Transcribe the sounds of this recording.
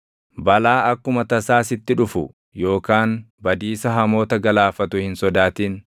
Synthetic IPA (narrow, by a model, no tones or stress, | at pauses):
bɐlaːɐkːʊmɐt̪ɐsaːsɪt̪ːɪᶑʊfʊ̰ | jo̞ːkaːn | bɐd̪iːsɐɦɐmo̞ːt̪ɐɡɐlaːfɐt̪ʊhɪnsɔd̪aːt̪iːn